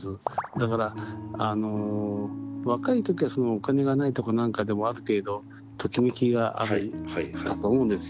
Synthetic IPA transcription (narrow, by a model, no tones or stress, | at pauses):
ɨd̪akaɾaano̞ | βakait̪o̞kʲiβaso̞noːkane̞ɡanait̪o̞ko̞nãŋkad̪e̞mo̞aɾɯ̟t̪e̞ːd̪o̞ | t̪ʰo̞kʲimikʲiɡaʔa̰ɾɯkat̪oːmõ̞ːnd̪e̞sɨ